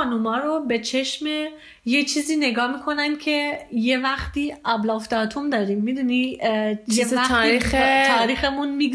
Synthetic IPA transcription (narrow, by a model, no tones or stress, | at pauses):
ɑːnumɒːɾobe̞t͡ʃʰe̞ʃme | jet͡ʃʰiːziːne̞ɡɒːmiːkʰo̞nænd̥̪̚cʲʰe̞jevæxt̪iːɒblɒːfd̪ɒt̪ʰund̪ɒːɾimːid̪unijeæt̪ːɾixʰɒːɾiːxemunmi